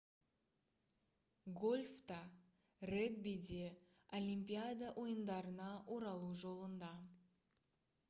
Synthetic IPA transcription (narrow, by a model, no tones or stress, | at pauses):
ɡolʲft̪ɑ | reɡbid̪e | olʲimʲpʲijad̪aʔo̞jənd̪ɑɾənɑʔoɾɑlˠuʒo̞lˠənd̪ɑ